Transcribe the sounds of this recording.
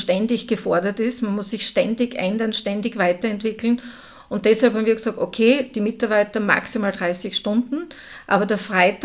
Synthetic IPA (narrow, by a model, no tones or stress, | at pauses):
ʃtɛndɪçɡ̥əfɔɐdɐtɪstmanmʊsːɪçʃtɛndɪçʔɛ̰ndɐnʃtɛndɪçv̥aɪtɐɛntv̥ɪkl̩n | ʊ̃nt̚d̥ɛshalphamviɐɡsɑːk̚tokʰeːd̥iːmɪtaɐbaɪtɐma̰ksimaːldʁaɪsɪçʃtʊ̃ndn̩ | ʔa̰ːbɐdeɐfʁaɪt